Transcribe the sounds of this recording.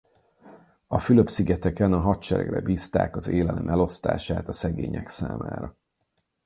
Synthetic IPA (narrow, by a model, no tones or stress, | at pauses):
ɒfyløpsiɡɛt̪ɛkɛnɒɦɒt̪t͡ʃɛɾɛ̰ɡrɛ̰biːst̪a̰ːkɒzeːlɛlɛmʔɛlo̞st̪a̰ːʃaːt̪ɒsɛɡeːɲɛksa̰ːma̰ːɾɒ